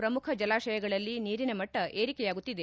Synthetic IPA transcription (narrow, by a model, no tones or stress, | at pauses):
pɾɐmukʰɐd͡ʒɐlaːʃɐjɐɡɐɭɐlːiniːɾinemɐʈːɐʔe̞ːɾikɛjaːɡut̪ːid̪e